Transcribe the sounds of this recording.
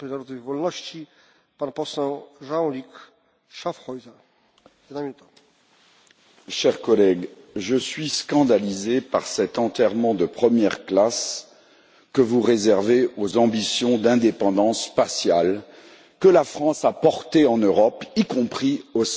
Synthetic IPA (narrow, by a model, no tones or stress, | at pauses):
pɛnaɾɔd̪vɔlnɔɕt͡ɕi | panpɔsɛ̃ʐawlʲik | ʂafxɔjza | jɛd̪naminut̪ḁ | ʃɛʁkɔlɛɡ | ʒəsɥiskɑ̃d̪alizepaʁsɛt̪ɑ̃t̪ɛʁmɑ̃d̪əpχəmjɛʁklas | kəvuʁezɛʁveozɑ̃bisjɔ̃d̪ɛ̃d̪epɑ̃d̪ɑ̃spasjal | kəlafχɑ̃sapɔʁt̪eɑ̃nøʁɔpikɔ̃pχios